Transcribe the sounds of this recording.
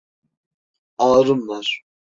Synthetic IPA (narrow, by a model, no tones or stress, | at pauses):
ɑːɾɯmlaɾ